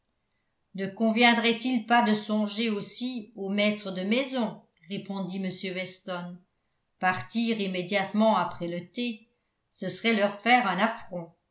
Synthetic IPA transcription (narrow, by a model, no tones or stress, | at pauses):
nəkɔ̃vjɛ̃d̪ʁɛt̪ilpad̪əsɔ̃ʒeosiomɛt̪χəd̪əmɛzɔ̃ | ʁepɔ̃d̪iməsjøwɛst̪ɔn | paʁt̪iːʁimed̪jat̪mɑ̃apχɛlət̪e | səsəʁɛlœʁfɛːʁɛ̃nafχɔ̃